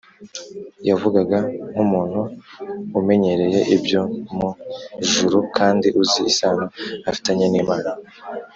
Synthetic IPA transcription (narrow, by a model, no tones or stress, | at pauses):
javuɡaɡaŋ̥umuːn̥huː | me̞ɲe̞ɾe̞je̞ʔibjo̞muʒuɾukʰaːndiʔuziːsaːnoafi̥taɲaniːmaɾa